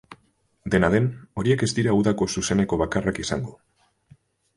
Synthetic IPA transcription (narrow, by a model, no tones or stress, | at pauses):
d̪e̞naðe̞no̞ɾie̞ke̞zd̪iɾauðako̞suse̞ne̞ko̞β̞akarakisa̰ŋɡo̞